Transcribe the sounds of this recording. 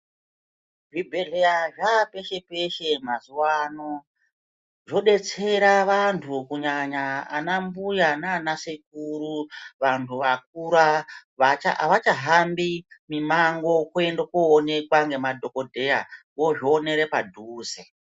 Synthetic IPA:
ʐibʱeɮeaʐape̞ʃe̞pe̞ʃe̞mazuwano | ʐo̞ɗe̞t͡se̞ɾaʋantʰukuɲaɲa̰ːnambujananasek̚uɾuʋantʰuʋak̚uɾaʋat͡ʃa̰ʋat͡ʃaɦambimimaŋɡo̞kendokoːne̞kwaŋɡe̞madʱo̞ko̞dʱe̞a | woʐoːne̞ɾe̞padʱuːse

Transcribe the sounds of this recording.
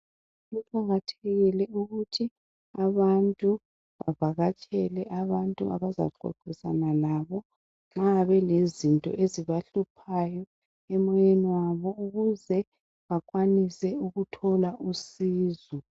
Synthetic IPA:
ɣupʼʰaɣatʰeɣilɛuɣutʰi | aβantʼu | βavaɣat͡ʃʼɛlɛʔaβantʼua̰βaza̰ǃɔ̰ǃisa̰nalaːβɔ | ŋ͡ǁaβɛlezintʼɔ̰ʔeziβaɬupʰajɔ | ɛmɔjeniwaβɔuɣuzɛ | βakʼwanisɛuɣutʰɔlaʔusiːzɔ

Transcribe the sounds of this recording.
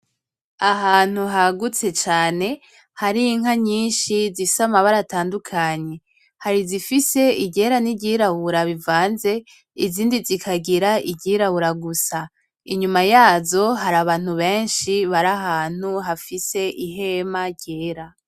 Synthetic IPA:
aɦaːn̥huɦaɡut͡se̞t͡ʃaːne̞ | haɾiŋɦaɲiːnʃizisamaβaɾataːndukʰaɲe̞ | haɾizifise̞iɟe̞ːɾaniɟiɾaβuɾaβivaːnze̞ | iziːndizikʰaɡiɾaiɟiːɾaβuɾaɡusa | iɲumajaːzo̞ɦaɾaβaːn̥uβe̞ːnʃiβaɾaɦaːn̥uɦafise̞ʔiɦe̞maɟeːɾa

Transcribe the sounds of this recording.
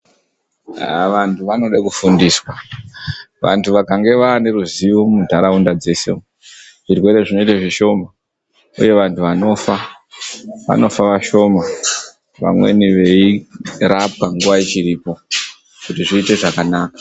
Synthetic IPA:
ʋantʰuʋano̞ɗakufundiswa | ʋa̰ntʰuʋakaŋɡe̞ʋaːne̞ɾuziʋo̞mudʱaɾaundad͡ze̞se̞̰ | ʐ̥irwe̞ɾe̞ʐino̞itaʐiʃo̞ma | ṵje̞ʋantuʋano̞ːfa | ʋa̰no̞faʋaʃo̞ma | ʋa̰mwe̞̰niʋe̞irap̚kaŋɡuʋait͡ʃiɾiːpo̞ | kutiʐiːte̞ʐakanaːkḁ

